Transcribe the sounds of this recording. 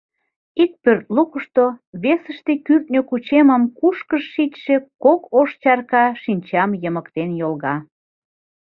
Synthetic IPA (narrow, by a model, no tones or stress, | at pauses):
ik̚pørt̪̚lukəʃt̪oβesəʃt̪ekyrt̪̚nʲøkut͡ɕeməmkuʃkəʃːitʃekokoʃt͡ɕɑrkɑʃinʲt͡ɕɑmjəməkt̪enjolɣɑ